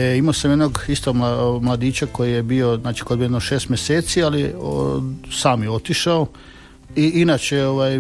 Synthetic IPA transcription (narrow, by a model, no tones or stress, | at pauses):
eimaːsamjed̪noɡist̪oɡmamlad̪iːt͡ɕako̞jije̞bio̞znaːt͡ʃi̥kojbijednoʃeːst̪mjeseːt̪siali | saːmjeo̞t̪iʃao | iʔinaːt͡ɕeoʋaj